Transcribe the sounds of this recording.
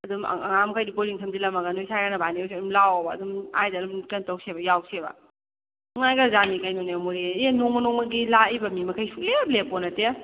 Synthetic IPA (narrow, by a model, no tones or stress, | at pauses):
ɐdum̰ɐ̰ŋamɐkʰajdipoɾliŋtʰamdilɐmɐɡɐnojsajɾanɐbanisiɐdumlawbaːdumajdadumkantawsebɐjawsebɐ̰ | ŋajɡazanikajnɔnemoɾienoŋmɐnoŋmɐɡilaibɐmimɐkʰajsʰuk̚leblepɔnɐte